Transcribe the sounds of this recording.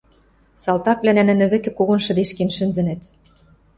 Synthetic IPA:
sɑlt̪ɑk̚βlænænɘ̆nɘ̆βɘ̆kĕkoɣŏnʃɤ̆d̪eʃkenʃɘ̆nzɘ̆nĕt̪

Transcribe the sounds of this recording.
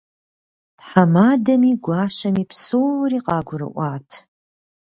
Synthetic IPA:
tħamaːdɐmiːɡʷɑːʃɐmiːpsoːwɾiːqɑːɡʷʊɾɨ̰ʔʷɑːtʰ

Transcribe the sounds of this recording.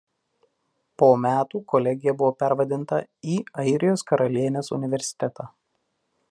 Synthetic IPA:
poːmʲæːt̪uːkɔlʲɛɡʲɪjɛbʊʋoːpʲæɾʋɐd̪ʲɪnt̪ɐiːɐɪɾʲɪjoːskɐɾɐlʲiɛnʲeːsʊ̰nʲɪʋʲɛɾʲsʲɪ̥t̪ʲɛt̪ʰɑː

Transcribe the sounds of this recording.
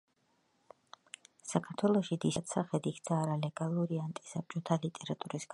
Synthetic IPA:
sakʰaɾt̪ʰwɛlˠɔʃid̪ist̪saχɛd̪ikʰt̪sʰaːɾalɛɡalˠuɾiant̪ʼi̥sap̚t͡ʃʼɔt̪ʰalit̪ʼɛɾat̪ʼuɾisɡ

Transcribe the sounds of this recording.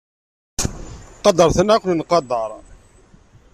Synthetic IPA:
qɑd̪ɑɾˤθənʕakʷnnqɑd̪ˤɑɾˤ

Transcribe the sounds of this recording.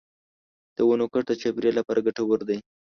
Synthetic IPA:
d̪̥əwonokaʈd̪ət͡ʃapɾelapɑɾʔaɡaʈawaɾd̪aj

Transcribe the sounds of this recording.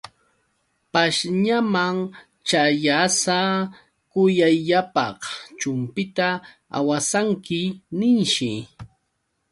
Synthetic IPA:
paʃɲamaŋ | t͡ʃajasa | kʊjajʎapɑχt͡ʃʊmpɪt̪a | a̰wasaŋkɪnɪnʃɪ

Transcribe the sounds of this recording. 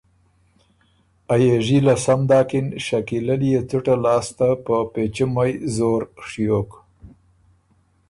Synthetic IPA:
ajeʐilasamd̪ɑːkɪnʃakilalijet͡suʈalɑːst̪apəpet͡ʃəmajzoɾʂjok

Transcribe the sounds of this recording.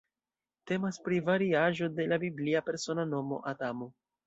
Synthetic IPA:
te̞maspɾivaɾiaʒo̞de̞labibliape̞ɾso̞nano̞mo̞̰ʔadamo

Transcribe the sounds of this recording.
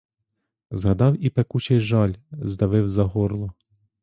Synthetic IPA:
zɦɐd̪ɑwipekut͡ʃɛjʒɑlʲzd̪ɐʋɪwzɐɦɔɾlˠɔ

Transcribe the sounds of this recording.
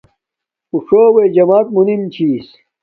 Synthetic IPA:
uʂoːwed͡ʑɐmaːt̪̚munimt͡ɕʰiːs

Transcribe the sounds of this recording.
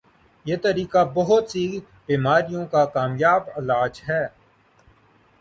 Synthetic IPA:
jeːt̪ɐɾiːkabɐɦʊt̪siː | biːmaːɾijõkakaːmjaːbɪlaːd͡ʒɦɛː

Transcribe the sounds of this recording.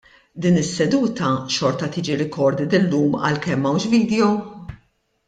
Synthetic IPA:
d̪iːnɪsːɛd̪uːt̪ɐʃɔɾt̪ɐt̪iːd͡ʒiɾɪkɔɾd̪ɪd̪ɪlːuːmɐ̰lkɛmːɐwʃviːd̪jɔ

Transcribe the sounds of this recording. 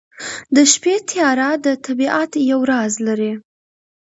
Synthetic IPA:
d̪əʃpet̪ʰijɑɾad̪ət̪ʰabiʔat̪jawɾɑzlaɾi

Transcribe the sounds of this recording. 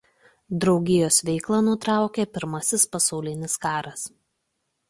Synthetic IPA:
d̪ɾɒʊɡʲɪjoːsʋʲɛɪklˠɐnʊt̪ɾɑˑʊkʲeːpʲɪɾmɐsʲɪspɐsɐʊlʲɪnʲɪskɑːɾɐs

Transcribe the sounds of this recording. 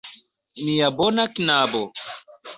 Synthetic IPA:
miabonakinabo

